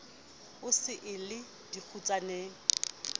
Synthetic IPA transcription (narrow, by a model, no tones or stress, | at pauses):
ʊsɪʔɪlɪ | dik͡xʰut͡sʼaneːŋ̩